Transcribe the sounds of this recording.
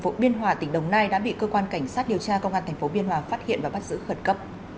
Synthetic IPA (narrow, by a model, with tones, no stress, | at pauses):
fo˨˦ɓi˧ənɦwaː˨˩t̪ï˧˩ŋ̟ɗə˨˩wŋ͡mnaː˧jɗa̰ː˧˥ɓḭ˧˨kəː˧kwaː˧nka˧˩jŋ̟saː˦˥t̚ɗi˨˩əwt͡ɕaː˧kə˧wŋ͡mʔaː˧nt̪ʰŋ̟fo˨˦ɓi˧ənɦwaː˨˩faː˦˥t̚hḭ˧˨ənvaː˨˩ɓa˦˥t̚zɨ̰˧˥xə˧˩nkə˦˥p̚